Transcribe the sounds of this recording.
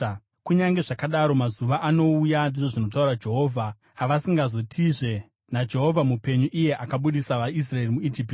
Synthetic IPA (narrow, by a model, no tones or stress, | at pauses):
kuɲaŋɡe̞ʐakaɗaɾo̞mazuʋaʔano̞ujandiʐo̞ʐino̞t̬auɾad͡ʒe̞ɦo̞ːvʱaː | ʋasiŋɡazo̞tʰiʐe̞ | nad͡ʒe̞ɦo̞vʱamupe̞ɲuʔije̞ʔakaɓuɗisaʋais̬raerimuid͡ʒip